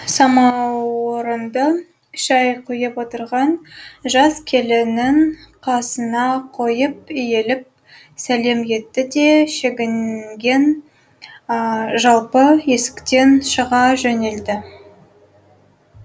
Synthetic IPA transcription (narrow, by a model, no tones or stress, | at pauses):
sɑmɑwoɾənd̪ɑ | ʃɑjqʰʊjəpwo̞t̪əɾʁɑnʒɑskʲʰe̞lɪnɪŋqʰɑsənɑqʰo̞jəp̚ʏje̞lɪp̚ | sæle̞mje̞t̪ːɪd̪e̞ʃeɡʲɪŋɡʲe̞n | ʒɑlˠpəje̞sɪ̥kt̪e̞nʃəʁɑʒɵne̞ld̪ɪ